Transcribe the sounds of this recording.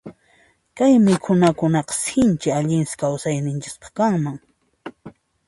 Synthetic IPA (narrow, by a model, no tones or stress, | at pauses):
kajmɪkʰʊnakʊnɑqɑ̥sɪnt͡ʃɪaʎɪnsɪ̥kawsajnɪnt͡ʃɪkpɑ̥χkaŋmaŋ